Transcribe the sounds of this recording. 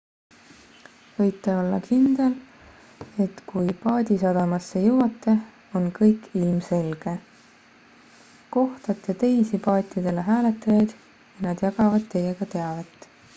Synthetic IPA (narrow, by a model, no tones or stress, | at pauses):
vɤ̞jt̪ːˑeo̞lːɑ̰kʰind̪̥e̞l | e̞t̪kʰujpɑːd̪isɑd̪̥ɑmɑsːejɤwɑt̪ːˑe̞ | o̞nkɤjkːilmse̞lɡ̥e̞ | ko̞ht̪ɑt̪ːˑet̪e̞jsipɑːt̪ʲˑːid̪e̞leɦæːle̞t̪ːˑɑjɑjd̪̥ | jɑnɑd̪̥jɑɡ̥ɑvɑd̪̚t̪ːe̞je̞ɡ̥ɑt̪e̞ɑvet̪ːˑ